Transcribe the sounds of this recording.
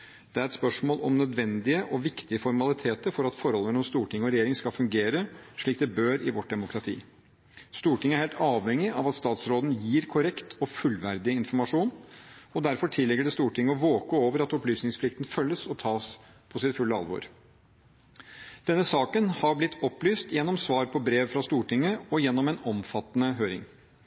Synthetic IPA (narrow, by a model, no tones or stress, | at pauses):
d̪̥ɛæɾɛt̪spœʂmoːlɔmnœd̪ʋɛnd̪ɪəʔɔʋɪkt̪ɪəfɔɾmɑlɪt̪ʰeːt̪əɾfɔɾɑt̪fɔɾhɔlːˠəmɛlɔmst̪uːʈʰɪŋːəɔɾɛjeːɾɪŋskɑfʉŋɡeːɾəʂɭiːk̚d̪ɛbøːɾɪ̰ʋɔʈ̚d̪ɛmʊkɾɑt̪ʰḭː | st̪uːʈʰɪŋəæɾheːlt̪ɑːʋɛŋɪʔɑʋɑt̪st̪ɑːt̪sɾoːd̪n̩jiːɾkʰʊɾɛkt̪ʰɔfʉlʋæɾd̪ɪɪnfɔɾmɑʂuːnɔd̪æɾfɔʈʰɪlːɛɡːəɖɛst̪uːʈʰɪŋːəɔʋoːkəoːʋəɾɑt̪ɔplyːsnɪŋspʰlɪkt̪n̩fœlːəsɔt̪ʰɑːs | pʰɔsɪt̪fʉlːəɑ̰lʋɔ̰ɾ | d̪̥ɛnːəsɑːkənhɑɾblɪt̪ʰːɔplyːst̪jɛnːɔmsʋɑːɾpʰɔbɾeːʋfɾɑst̪uːʈʰɪŋːəɔjɛnːɔmɛnɔmfɑt̪ːənəɦøːɾɪ̰ŋ